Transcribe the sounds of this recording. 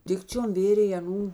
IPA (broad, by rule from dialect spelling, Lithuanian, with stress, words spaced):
ˈdʲɪkt͡ʃʲoːm ˈʋʲeːrʲeːj ɐˈnuː